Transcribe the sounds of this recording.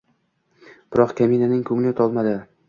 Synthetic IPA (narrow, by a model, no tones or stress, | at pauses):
b̥ɪɾɒqkʲʰaminanɪŋkʰɵŋlɒt̪ʰɒlˠmad̪ɪ